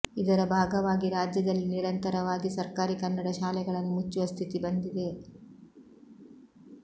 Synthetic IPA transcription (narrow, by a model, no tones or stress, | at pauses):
id̪ɐɾɐbʱaːɡɐʋaːɡiɾaːd͡ʒjɐd̪ɐlːiniɾɐnt̪ɐɾɐʋaːɡisɐɾkaːɾikɐnːɐɽɐʃaːlɛɡɐɭɐnːumut͡ʃːuʋɐst̪ʰit̪ibɐnd̪id̪e̞